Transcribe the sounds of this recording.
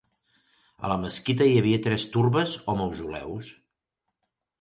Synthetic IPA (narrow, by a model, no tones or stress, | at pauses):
ə̰ləməskit̪əiəβiət̪ɾɛst̪urβəzɔmowzulɛ̰ws